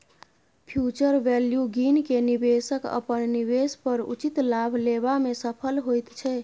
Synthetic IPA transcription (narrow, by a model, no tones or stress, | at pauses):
pʰjut͡ʃəɾʋɛljuɡinkenibesəkə̰pənniβespəɾṵt͡ʃit̪labʱlebamesəpʰəlɦojt̪t͡ʃʰɛ